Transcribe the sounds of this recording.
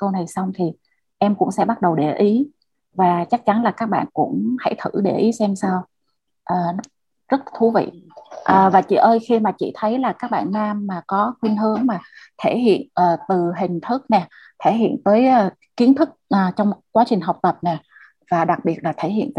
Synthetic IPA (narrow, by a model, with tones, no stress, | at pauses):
kə˧wna˨˩jsa˧wŋ͡mt̪ʰi˨˩ | ʔɛ˧mkʊ̰˧˥ŋ͡msɛ̰˧˥ɓa˦˥t̚ɗə˨˩wɗe˧˩ʔi˨˦ | vaː˨˩t͡ɕa˦˥k̚t͡ɕa˨˦nlaː˨˩kaː˦˥k̚ɓa̰ː˧˨nkʊ̰˧˥ŋ͡mha̰˧˩jt̪ʰɨ˧˩ɗe˧˩ʔi˨˦sɛ˧msaː˧w | ʔəː˨˩˦ | zə˦˥t̚t̪ʰu˨˦vḭ˧˨ʔəː˨˩vaː˨˩t͡ɕḭ˧˨ʔəː˧jxi˧maː˨˩t͡ɕḭ˧˨t̪ʰə˨˦jlaː˨˩kaː˦˥k̚ɓa̰ː˧˨nːaː˧mːaː˨˩kɔ˨˦xwi˧ənɦɨ˨˦əŋmaː˨˩t̪ʰe˧˩ɦḭ˧˨ənʔəː˨˩t̪ɨ˨˩ɦï˨˩ŋ̟t̪ʰɨ˦˥k̚nɛ˨˩ | t̪ʰe˧˩ɦḭ˧˨ənt̪əː˨˦jʔː | ki˨˦ənt̪ʰɨ˦˥k̚ʔəː˨˩t͡ɕɔ˧wŋ͡mkwaː˨˦t͡ɕï˨˩ŋ̟ɦa˨˩wk͡p̚t̪ə˨˩p̚nɛ˨˩ | vaː˨˩ɗa˨˩k̚ɓi˨˩ət̚laː˨˩t̪ʰe˧˩hḭ˧˨ənt̪ː